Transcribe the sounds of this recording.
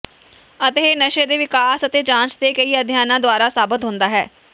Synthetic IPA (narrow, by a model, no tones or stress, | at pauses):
ət̪eːeːnəʃeːd̪eːʋɪkaːsət̪eːd͡ʒãːnt͡ʃd̪eːkəiːəd̪ʱjaːnãːd̪oaːɾaːsaːbət̪ɦʊ̃nd̪aːɦɛː